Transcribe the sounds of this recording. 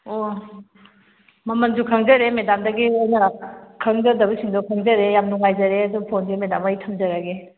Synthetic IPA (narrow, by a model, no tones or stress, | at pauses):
o | mɐmɐnzukʰɐŋzɐɾemedamdɐɡiojnɐkʰɐŋzɐdɐbɐsiŋdokʰɐŋzɐɾejamnuŋajzɐɾeɐdupʰonɡemeda̰majtʰɐmzɐɾaɡe